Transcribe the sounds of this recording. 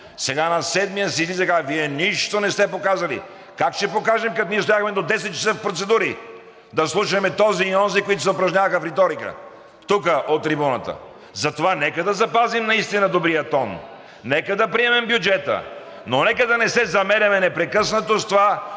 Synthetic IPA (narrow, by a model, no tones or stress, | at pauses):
sɛɡanɐsɛd̪mijəsizizɛɡaviɛniʃt̪onɛst̪ɛpokazɐlḭ | kakʃt̪ɛpokaʒɛmkɐt̪niɛst̪ojaxmɛd̪od̪ɛs̬ɛt̪̚t͡ʃːɐ̥səfpɾot̪sɛd̪uɾi | d̪ɐslˠuʃəmɛt̪ɔziːɔnzikoit̪osɛopɾɐʒɲʲavəxəfɾɛt̪ɔɾikə̰ | t̪ukəʔot̪ːɾibunɐt̪ə̰ | zɐt̪ovanɛkəd̪ɐzɐpazimnɐist̪inɐd̪obɾijət̪ɔn | nɛkəd̪ɐpɾiɛmɛmbjud͡ʒɛt̪ə̰ | nonɛkəd̪ɐnɛsɛzɐmɛɾʲɐmɛnɛpɾɛkɤsnɐt̪ost̪ova